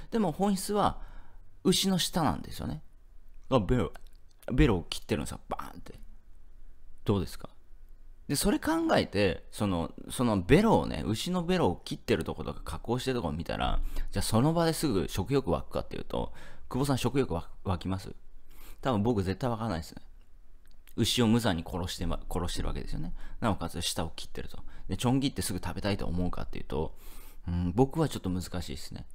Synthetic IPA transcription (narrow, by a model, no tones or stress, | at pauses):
d̪e̞mo̞hõɰ̃çi̥t͡sɨβa | ɯ̟ɕino̞ɕi̥t̪anã̰nd̪e̞sɨijo̞̰ne̞ɡabeɾobe̞ɾo̞ːkʲʰi̥t̪ːeɾɯ̟nsɨab̥a̰nt̪e̞ | d̪̥o̞ːd̪e̞sɨ̥ka | d̪e̞so̞ɾe̞kãŋɡae̞t̪e̞so̞no̞̰so̞no̞be̞ɾo̞̰ːnḛʔɯ̟ɕino̞be̞ɾo̞ːkʲit̪ːe̞ɾɯ̟t̪o̞ko̞t̪o̞kḁkakːo̞ːɕi̥t̪e̞ɾ̟t̪o̞komʲit̪a̰ɾʔa̰d͡ʑaːso̞no̞bad̪e̞sɨɡɯ̟ɕo̞kɯ̟jo̞kɯ̟βa̰kɯ̟̥ka̰t̪ːe̞jiɯ̟t̪o̞̰kɯbo̞s̬ãɰ̃ɕo̞kɯ̟jʲo̞kɯ̟βaβakʲimasɨ̰t̪abɯ̟̃mbo̞kɯ̟ze̞t̪ːaiβakaɾanaisɨne̞ | ɯ̟ɕio̞mɯ̟zaɲ̟ikʰoɾoɕi̥t̪ekʰo̞ɾo̞ɕi̥t̪e̞ɾɯ̟a̰ked̪e̞sɨjonenanokasɕi̥t̪ao̞kʲi̥t̪ːe̞ɾɯ̟t̪o̞d̪̥e̞t͡ɕõ̞ŋɡʲit̪ːe̞sɨɡɯ̟t̪abe̞t̪ait̪o̞̰ːmo̞ɯ̟ka̰t̪ːe̞jɯ̟t̪o̞̰ | ɯ̟̃ɴbo̞kɯ̟βat͡ɕo̞t̪ːo̞mɯ̟zɨkaɕḭːd̪e̥sɨ̥ne̞̰